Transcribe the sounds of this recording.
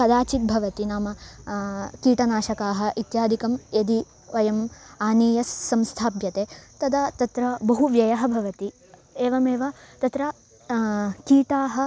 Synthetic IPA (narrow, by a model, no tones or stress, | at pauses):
ɐd̪aːt͡ʃit̪̚bʱɐʋɐt̪inaːmɐ | kiːʈɐnaːʃɐkaːɦɐ̆ʔit̪jaːd̪ʱikɐmed̪i | ʋɐjɐmaːniːjɐsːɐmst̪ʰaːbjɐt̪eːt̪ɐd̪ɐt̪ɐt̪ɾɐbɐɦuʋjɐjɐɦɐ̆bʱɐʋɐt̪i | eːʋɐmeːʋɐt̪ɐt̪ɾɐ | kiːʈaːɦɐ̆